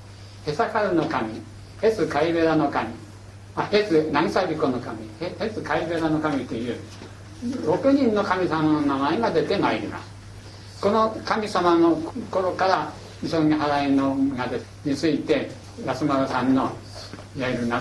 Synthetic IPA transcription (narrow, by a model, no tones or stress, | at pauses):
he̞sakaɾɯno̞kamʲi | he̞t͡sɨkaiβe̞ɾano̞kamʲi | mahesɨnãɲisabʲiko̞nokamʲihehet͡sɨkaibe̞ɾano̞kamʲit̪ejɯː | ɾokʲɯɲ̟ĩnːo̞kamʲisamanonamaeɡad̪e̞t̪e̞maiɾʲima̰sɨ̥ | ko̞no̞kamʲisamanoko̞ɾokaɾa | isõɲiɦaɾainoɡad̪e | ɲit͡sɨit̪e̞ | jasɨmaɾosãnːo̞ | iaiɾɯna